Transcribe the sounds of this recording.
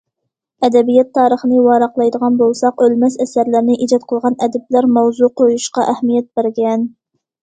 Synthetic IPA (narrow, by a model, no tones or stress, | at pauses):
ɛd̪ɛbijɛt̪ʰːɑːɾəχənɨwɑːɾɑqlˠɑjd̪əʁɑnbolˠsɑqølmɛsɛsæɾlæɾnɪʔid͡ʒɑt̪̚qʰəlˠʁɑnɛd̪ɛb̚læɾmɛwzuqʰojuʃqɑʔɛhmijɛt̪̚bæɾɡʲɛn